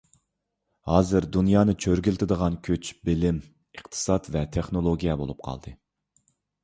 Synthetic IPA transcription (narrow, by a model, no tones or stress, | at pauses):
hɑːzɨɾd̪unjɑːnɨt͡ʃʰøɾɡʲɪlt̪ʰɪd̪əʁɑnkʲʰøt͡ʃbɪlɪm | əqt̪ʰɨ̥sɑt̪vɛt̪ʰeχnolˠoɡʲijɛbo̰lˠup̚qʰɑ̰lˠd̪ɨ